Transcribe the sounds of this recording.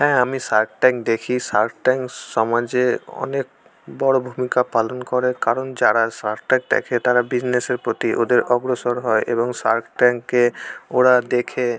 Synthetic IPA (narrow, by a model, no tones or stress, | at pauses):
ɦɛ̃amisaɾkʈɛŋk̚d̪ekʰisaɾkʈɛŋkʃɔmad͡ʑeɔ̰nek | bɔɽobʱumikapalonkɔɾekaɾond͡ʑaɾasaɾʈʈɛ̃ŋk̚d̪ɛ̰kʰet̪aɾabid͡ʑneseɾpɾot̪iʔod̪eɾɔɡɾosoɾɦɔeʔḛboŋsa̰ɾkʈɛŋkːeoɽad̪ekʰe